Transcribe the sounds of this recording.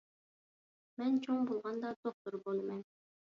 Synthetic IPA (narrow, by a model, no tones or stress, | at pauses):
mɛnt͡ʃʰoŋbolˠʁɑnd̪ɑd̪̥oχ̚t̪ʊɾbolˠɨmɛn